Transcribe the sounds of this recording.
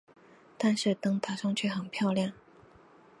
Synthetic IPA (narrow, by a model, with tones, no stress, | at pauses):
t̪a˥˧nʂɻ̩˥˩t̪ɤ˥ŋt̪ʰa˥ʂɑ˥ŋt͡ɕʰɥɛ˥˩xə˨˩npʰjɑ˥˧ʊljɑ˥˩ŋ